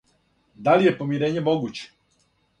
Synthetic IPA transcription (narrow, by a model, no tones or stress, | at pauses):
d̪alije̞po̞miɾeːɲemo̞ɡut͡ɕe̥